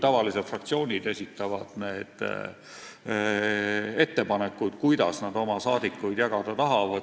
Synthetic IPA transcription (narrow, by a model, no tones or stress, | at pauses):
t̪ɑvɑlised̪frɑkt̪sio̞ːnʲid̪e̞sʲit̪ˑːɑvɑd̪̥ne̞ːd̪̥ | e̞t̪ːe̞pɑne̞kːˑud̪̥kujd̪̥ɑsnɑd̪o̞mɑsɑːd̪ikːˑujd̪̥jɑɡ̥ɑd̪̥ɑt̪ɑɦɑvɑd̪